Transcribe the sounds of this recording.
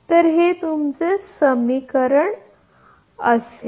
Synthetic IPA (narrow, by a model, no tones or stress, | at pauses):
t̪əɾɦet̪umt͡sesəmikəɾəɳ | əse